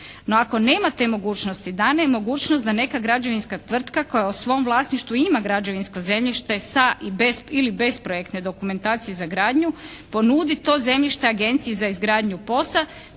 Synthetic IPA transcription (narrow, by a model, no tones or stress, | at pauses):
no̞ako̞ne̞ːmat̪e̞ːmo̞ɡuːt͡ʃnost̪id̪aneemo̞ɡuːt͡ʃnost̪d̪ane̞kaɡɾad͡ʒoʋinskat̪ʋr̩t̪kako̞jausʋo̞mʋlˠaːsniʃt̪ʋuimaɡɾad͡ʒoʋinsko̞ze̞mʎiʃt̪e̞saʔibesilibe̞spɾojekt̪ne̞d̪o̞kume̞nt̪aːt̪sijezaɡɾaːd̪ɲupo̞nuːd̪it̪o̞ːze̞mʎiʃt̪eaɡe̞nt̪sijizaizɡɾaːd̪ɲupo̞sa